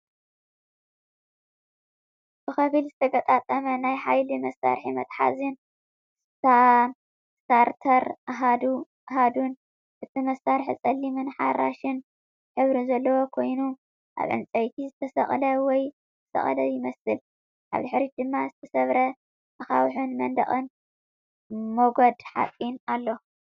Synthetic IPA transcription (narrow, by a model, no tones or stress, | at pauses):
b̥ɨxɐβɨlzɨt̪ʰɐɡɐt̪ʼat̪ʼːɐmɐnajħajlimɐsːa̰ɾħimɐt̪ʼħa̰zɨn | a | t̪aɾt̪ʰɐɾʔaɦad̪u | ʔaɦad̪un | ʔɨt̪ʰimɐsaɾħit͡sʼɐlːimɨnħaɾa̰ʃɨn | ħɨβɾizɐlːɐwokʰo̞jnu | ʔa̰βʕɨ̰mt͡sʼɐjt̪ʰizɨt̪ʰɐsɐ̰χʼlɐwɔjʰ | ɐsɐ̰χʼɐlɐjɪmɐsɨl | ʔa̰βd̪ɨħɾid̪ɨmːazɨt̪ʰɐsɐβɾɐ | axawħɨnmɐnd̪ɐ̰χʼɨn | moɡod̪ħa̰fʼinalːo